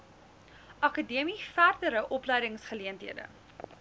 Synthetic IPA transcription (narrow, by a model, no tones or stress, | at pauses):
ʔɐkədiəmifærdəɾəʔɔplɛjdəŋsχəliəntɦiədə̰